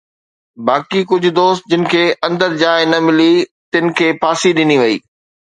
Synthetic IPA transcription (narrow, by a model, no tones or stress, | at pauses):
baːkikʊd͡ʑʱʊ̆d̪oːst̪̚d͡ʑɪnɪ̆kʰeːʔɐ̃nd̪əɾd͡ʑaːɪnɐmɪlit̪ɪnɪ̆kʰeːpaːsiɗɪniʋɐiː